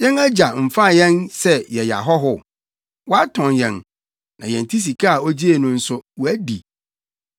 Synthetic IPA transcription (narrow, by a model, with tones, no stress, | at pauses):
jɛ̃˦næ˦d͡ʑa˨m̩˨fa˦˨jɛ̃˦nsɛ˦jɛ˨ja̰˨ɦɔ˦ɦʊ˦ | wɔ˦a˦tʰɔ̃˨njɛ̰̃˨n | nã˨jɛ̰̃˨n˨tʰi˦s̬i˨kʰa˦a˨o˦d͡ʑi˦e˨nʊ̃˦n̩˦sʊ˦wɔ˨æ˦dḭ˨